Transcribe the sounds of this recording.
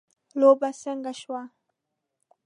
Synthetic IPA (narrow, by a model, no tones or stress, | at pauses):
lobasaŋɡaʃwa